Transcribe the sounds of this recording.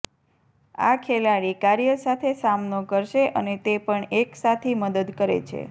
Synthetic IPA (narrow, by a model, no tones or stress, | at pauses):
a̰kʰelaɽikaɾijəsat̪ʰesamnokəɾʃeʔənet̪epəɳeksat̪ʰiməd̪əd̪kəɾḛt͡ʃʰḛ